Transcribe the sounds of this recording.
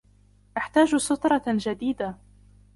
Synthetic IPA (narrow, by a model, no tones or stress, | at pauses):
ʔaħt̪aːd͡ʒsʊt̪ɾˤɑd͡ʒad̪iːd̪a